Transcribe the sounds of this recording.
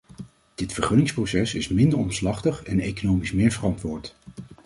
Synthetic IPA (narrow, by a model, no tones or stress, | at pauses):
d̥ɪtfəɹχɵnɪŋsprosɛsɪsmɪndəɹɔmslɑχtəχɛnejkonowmismɪːɹvərɑntʋʊːɹt